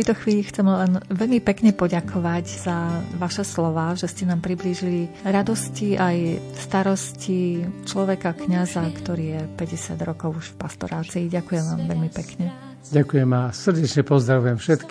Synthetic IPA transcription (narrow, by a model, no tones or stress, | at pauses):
t̪ɛjt̪ɔxʋiːʎixt͡sɛmlɛnʋɛʎmipɛkɲɛpɔɟakʰɔʋacz̥aʋaʃɛslɔʋaːʒɛscɛnaːmpɾibliːʒiliɾad̪ɔsciʔajfst̪aɾɔscit͡ʃlɔʋɛkakɲazakt̪ɔɾiːjɛpɛɟɛsɪad̪ɾɔkɔʊuʃfpast̪ɔ̰ɾaːt͡siːɟakujɛmʋaːmʋɛʎmipɛkɲɛ | ɟakujɛmasr̩ɟɛt͡ʃɲɛpɔzd̪ɾaʋujɛmfʃɛt̪k